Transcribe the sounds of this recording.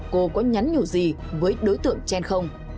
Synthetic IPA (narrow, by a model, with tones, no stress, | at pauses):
ko˧kɔ˨˦ɲa˨˦nɲu˧˩zi˨˩ | vəː˨˦jɗo˨˦jt̪ɨ̰˧˨əŋt͡ɕɛ˧nxə˧wŋ͡m